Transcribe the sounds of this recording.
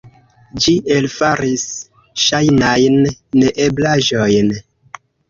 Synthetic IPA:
d͡ʒiʔe̞lfaɾis | ʃajnajnːeʔeblaʒojn

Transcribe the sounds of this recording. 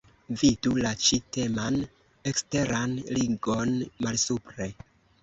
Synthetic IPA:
vidulat͡ʃite̞man | e̞kste̞ɾanliŋɡo̞nmalsupɾe̞

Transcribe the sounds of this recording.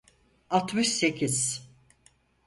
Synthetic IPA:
at̪mɯʃse̞cʰiz̥

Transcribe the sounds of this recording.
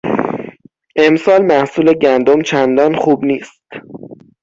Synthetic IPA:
ʔe̞msɒːlmæhsuːle̞ɟænd̪omt͡ʃʰænd̪ɒːnxuːbniːst̪

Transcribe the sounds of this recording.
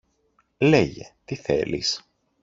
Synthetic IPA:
leʝḛt̪iθe̞̰lḭs

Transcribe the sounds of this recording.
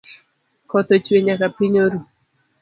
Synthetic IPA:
kɔt̪ɔt͡ʃweɲakapiɲoɾu

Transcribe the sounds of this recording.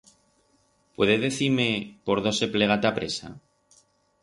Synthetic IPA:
pwe̞ðeðe̞θiɾme̞po̞ɾð̞o̞se̞pleɣ̞at̪apɾe̞sa̰

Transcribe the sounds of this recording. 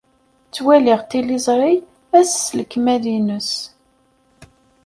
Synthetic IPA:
t͡sːwæliʁt̪ilizˤɾˤi | æsːləkːmæðinəs

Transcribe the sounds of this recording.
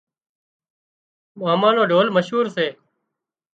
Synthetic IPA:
maːmãːnoːɖʱoːlməʃɦuːɾseː

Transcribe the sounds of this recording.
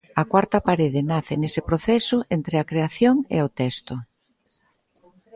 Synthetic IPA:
ɐkwaɾt̪ɐpaɾeðɪnaθɪnesɪpɾoθɛsʊʔent̪ɾɪɐkɾeaθjoŋḛot̪ɛst̪ʊ

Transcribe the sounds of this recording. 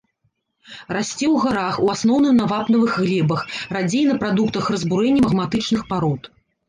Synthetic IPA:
rasʲt͡sʲɛwɣaɾaxuasn̪ɔwnɨmnavapnɐvɨɣɣlʲɛbɐxrad͡zʲejnɐpɾad̪ukt̪ɐxrɐzbuɾɛnʲːɐmɐɣmat̪ɨt͡ʂnɨxpaɾɔt̪

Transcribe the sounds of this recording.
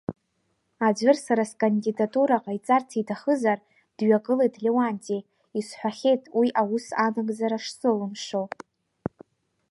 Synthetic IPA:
ad͡ʒʷɨrsaɾaskʼandidatʼuɾaqʼajt͡sʼartʰitʰaχəzar | d̥ɥaɡʼɨlejtʰlʲewantʼi | isħʷᶣaχʲe̞jtʼwiʔawusanɨɡʼzaɾaʂsɨlɨmʂow

